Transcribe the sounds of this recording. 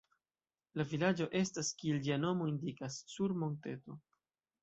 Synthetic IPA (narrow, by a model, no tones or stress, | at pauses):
lavilad͡ʒo̞ʔe̞staskield͡ʒiano̞mo̞indikasːuɾmo̞nte̞to̞